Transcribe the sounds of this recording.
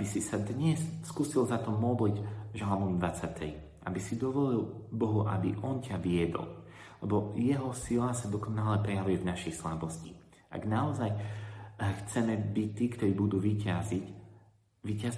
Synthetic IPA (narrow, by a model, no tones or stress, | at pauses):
abisisad̪ɲɛsskuːsilzat̪ɔmɔd̪licʒalmɔʋid̪ʋat͡sat̪ʰɛ̰j | ʔabisid̪ɔʋɔlilbɔɦuʔa̰biʔɔncaʋiɛd̪ɔ̰l | lɛbɔjɛɦɔsilasad̪ɔkɔnalɛpɾɛjaʋujɛvnaʃɛjslabɔsci | ʔa̰ɡnaɔzaj | xt͡sɛmɛbict̪iːkt̪ɔɾiːbud̪uːʋicazic | ʋicaz